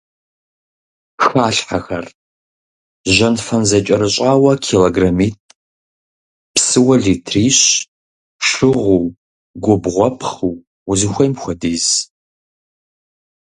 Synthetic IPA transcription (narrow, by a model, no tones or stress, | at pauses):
xaːɬħaxɐr | ʒɐnfɐnzɐt͡ʃʼɐɾɨɕʷʼaːwɐkʰiloɡramiːtʼ | psɨwɐɮitʰriːɕ | ʂɨʁʷuw | ɡʷʊbʁʷɔpʰχɨw | uzɨxʷɐjmxʷɐdiːz